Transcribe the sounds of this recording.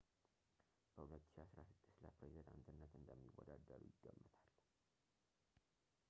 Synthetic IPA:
b̥əhulət̪ːɨ̥ʃiasɾasɨd̪̥ːɨst̪ləpɾezid̪ant̪ʰɨnːət̪ɨnd̪əmːiwːɔ̰d̪ad̪ːəɾujɪɡːəmːɨt̪ʰal

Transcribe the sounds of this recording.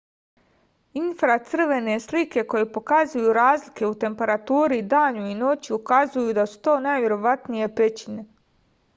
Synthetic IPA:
infɾat̪sr̩ʋe̞ne̞slike̞ko̞je̞po̞kazujuɾaːzlike̞ut̪e̞mpe̞ɾat̪uːɾid̪aːɲuino̞t͡ɕiukazujud̪asu̥t̪o̞ːnajʋje̞ɾo̞ʋat̪nije̞pe̞t͡ɕine̞

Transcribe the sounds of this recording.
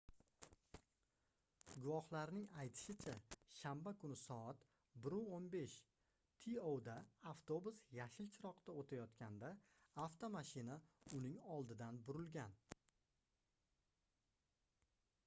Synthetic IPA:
ɡʊvɒhlaɾnɪŋajt̪ʰɪ̥ʃɪt͡ʃʰaʃambakʰʊnɪsɒat̪ | bɪɾuonbe̞ʃ | t̪ʰiowd̪aaft̪o̞busjaʃɪlt͡ʃʰɪɾɒqt̪aot̪ʰajɒt̪kʲʰand̪a | aft̪ʰomaʃɪnaʊnɪŋɒlˠd̪ɪd̪anbʊɾɪlɡʲan

